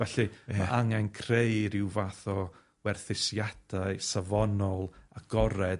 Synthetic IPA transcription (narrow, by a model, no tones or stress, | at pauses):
vɛɬɨaʔaŋɛnkʰrejɾɪwvaθɔ | wɛrθɪsjad̥aɨsavɔnɔlˠaɡ̥ɔɾɛd